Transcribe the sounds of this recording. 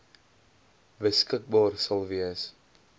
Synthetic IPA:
vəskək̚bɑːrsɐlˠviəs

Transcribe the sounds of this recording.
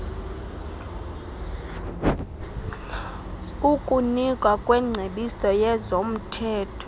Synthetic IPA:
ukʼunikʼwakʼwɛŋ͡ǀʱeɓisɔjɛzom̩tʰɛːtʰɔ

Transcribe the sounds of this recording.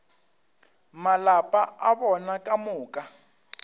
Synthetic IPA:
malapʼaaβɔnakʼamʊːkʼa

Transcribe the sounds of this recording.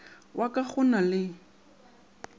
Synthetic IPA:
wʔakʼaχʊnalɪ

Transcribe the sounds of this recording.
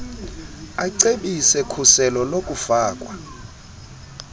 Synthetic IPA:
aǀeɓisɛkʰusɛlɔlokʼufaːkʼwa

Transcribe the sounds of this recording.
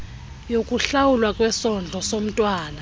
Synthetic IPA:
jokʼuɬawulwakʼwɛsɔnd͡ɮʱɔsom̩tʼwaːna

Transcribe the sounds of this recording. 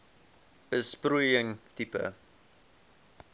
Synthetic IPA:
b̥əsprujəŋtipə̰

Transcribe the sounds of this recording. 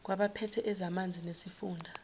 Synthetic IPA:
k̬waɓapʰɛtʰɛʔɛzamand͡zʱinesifuːndʱa

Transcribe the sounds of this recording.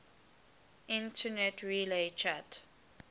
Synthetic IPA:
ʔĩntʰənɛtʰɹilet͡ʃʰat

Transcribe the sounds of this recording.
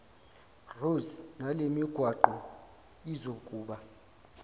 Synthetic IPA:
rusnalemiɡ̥ʱwaǃɔ | izokʼuːɓa

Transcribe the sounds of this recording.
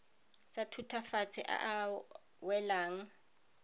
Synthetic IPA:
t͡sʼatʰutʰafat͡sʰɪ̰ʔa̰ʔa | wɛlaːŋ̩

